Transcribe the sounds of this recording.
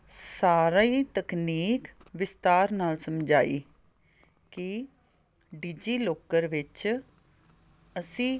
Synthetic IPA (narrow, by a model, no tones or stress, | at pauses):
saːɾaiːt̪əkniːk | ʋɪst̪aːɾnaːlsəmd͡ʒaːḭː | ki | ɖiːd͡ʒiːloːkəɾʋɪt͡ʃ | əsĩː